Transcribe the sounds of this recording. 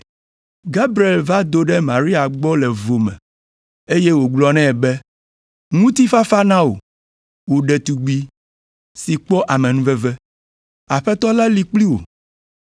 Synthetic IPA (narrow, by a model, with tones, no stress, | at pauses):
ɡa˦bɾi˨e˨lva˦d̪o˦ɖɛ˦mã˨ɾi˦a˨ɡ͡bɔ˦lɛ˨vo˨mɛ̰̃˨ | e˦je˦wo˨ɡ͡blɔ˦nɛ̃˦ɛ˨bɛ˦ | ŋũ˦t̪i˦fa˦fa˦nã˦o̰˨ | wo˨ɖɛ˨t̪u˨ɡ͡bi˦ | si˨k͡pɔ˦ʔa˨mɛ̃˨nũ˦vɛ˦vɛ˦ | a˨ɸɛ˦t̪ɔ˦la˦li˦k͡pli˦wo̰˨